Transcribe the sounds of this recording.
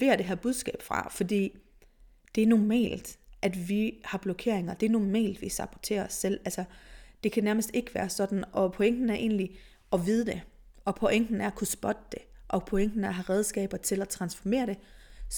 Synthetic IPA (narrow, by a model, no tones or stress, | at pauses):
ʋe̝ɐd̥e̝ɦæɐ̰b̥uð̞ˠsɡ̥ɛ̰ːb̥fʁɑ̈fɒ̽d̥ḭː | d̥e̝æɐnɒmɛ̰ːld̥ʔæd̥ʋihɑ̈b̥lɔkʰe̝̰ɐ̰eŋɐd̥e̝æɐnɒmɛ̰ːld̥ʋisɑ̈b̥ʰɒ̥t͡sʰe̝̰ːɐɒsːel̰ælsɐd̥e̝kʰænæɐməsd̥e̝ɡ̥əʋæːɐsɒ̽d̥n̩ɒ̽pʰoeŋ̰ɡ̥n̩æɐʔe̝̰ːnli | ɒ̽ʋið̞ˠd̥e̝ | ʔɒ̽pʰoʔeŋ̰ɡ̥n̩æɐkʰusb̥ɒd̥d̥e̝ʔɒ̽pʰoeŋ̰ɡ̥n̩æɐɦɑʁɛð̞ˠsɡ̥ɛ̰ːb̥ɐt͡sʰe̝læt͡sʰʁɑ̈nsfɒme̝̰ːɐɾ̥e̝